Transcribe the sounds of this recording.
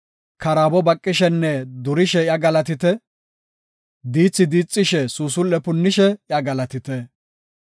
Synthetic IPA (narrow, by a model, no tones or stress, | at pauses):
kɐɾaːbɔbɐkʼːɪʃɛnːɛd̪ʊɾɪʃɛjɐɡɐlɐt̪̬ɪt̪ɛ | d̪iːt͡sːɪd̪iːt͡sʼːɪʃɛsuːsʊlːɛpʊnːɪʃɛjɐɡɐlɐt̪ɪt̪ɛ